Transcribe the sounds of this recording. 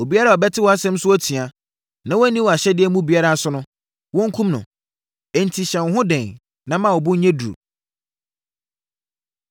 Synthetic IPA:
o˨bi˦a˦ɾa˦˨ɔ˨bɛ˦tʰɪ˦wɔ˦a˦sɛ̃˦m˦sʊ˦ɔ˦tʰi˨a˨ | nã˨wɔ˦æ˦nĩ˦wɔ˨a˨ɕɛ˦dɪ˦ɛ˦mũ˦bi˨˦a˦ɾa˦˨˦sʊ˦nʊ̃˦ | wɔ̃˦ŋ˦kʰũ˦mnʊ̰̃˨ | ɛ˨n̩˨tʰi˨ɕɛ̃˨n˨ɦʊ̃˦dɛ̃˨n | nã˦mã˦˨wɔ˨bʊ̃˦ɲ̩˦ɲɛ̃˦du˨o̰˨

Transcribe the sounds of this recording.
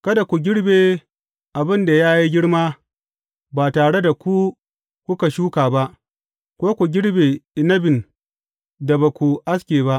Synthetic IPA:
kɐ˦da˨kʷu˨ɡʲɪ˦ɽbeː˨ | ʔa˨bɪ˦nda˨jaː˦ji˦ɡʲɪ˦ɽmaː˦ | ba˨taː˨ɽe˦da˨kʷu˦ | kʷʊ˦ka˨ʃuː˦kaː˨ba˦ʔ | kʷoː˦kʷu˨ɡʲɪ˦ɽbeː˨ɪ˨nɐ˦bɪ˨n | da˨ba˨kʷu˨ʔa˦skʲeː˨ba˦ʔ

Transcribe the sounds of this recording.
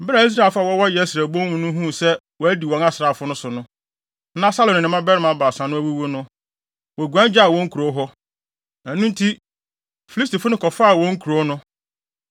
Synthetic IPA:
m̩˦bɪ˦ɾa˨i˦s̬ɾa˦˨fa˦˨wɔ˦wɔ˦jɛ˨˦æ˦sɾæ˨bõ˦wũ˨nʊ̃˦ɦũ˦˨sɛ˦ | wɔ˨æ˦di˨wɔ̃˨na˦sɾa˨fʊ˦nʊ̃˦sʊ˨nʊ̃˦ | nã˦sa˦lɔ̃˨nɪ̃˨nɪ̃˨mã˦bɛ˦ɾɪ˦mã˨˦ba˨sã˨nʊ̃˦æ˦wu˦wo˦nʊ̃˦ | wɔ˨ɡʷu˨æ̃˦n˦d͡ʑa˦a˨wɔ̃˦ŋ̩˦kʰu˨ɾo˦ɦɔ˦ | æ˨nũ˦n̩˦tʰi˦ | fi˨li˦sti˨fʊ˦nʊ̃˦kʰɔ˨faː˦˨wɔ̃˦ŋ̩˦kʰu˨ɾo˦nʊ̃˦

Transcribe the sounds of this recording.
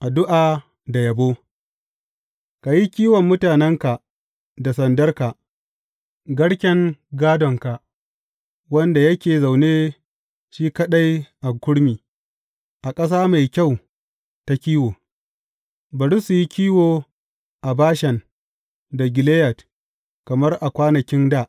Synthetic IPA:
ʔa˨dʊ˦ʔaː˨ | da˨jɐ˨boː˦ | ka˨ji˦kʲiː˦wɔ˨mːʊ˦taː˨nɛ˦ŋka˨ | da˨sɐ˨ndɐ˦rka˨ʔ | ɡɐ˦ɽkʲɛ˦ŋɡaː˦dɔ˨ŋka˨ | wɐ˦nda˨jɐ˦kʲeː˨za˨wneː˦ | ʃiː˦kɐ˦ɗa˦jʔa˨ɡʷʊ˦ɽmiː˨ | ʔa˨kʼɐ˦s̬aː˦ma˨jkʲa˦˨w | ta˨kʲiː˦woː˨ | bɐ˨ɽɾu˦su˨ji˦kʲiː˦woː˨ | ʔa˨baː˦ʃɛ˨n | da˨ɡʲɪ˨leː˦jɐ˨t | kɐ˨mɐ˦rʔa˨kʷaː˦nɐ˨kʲɪ˦ndaː˦˨ʔ

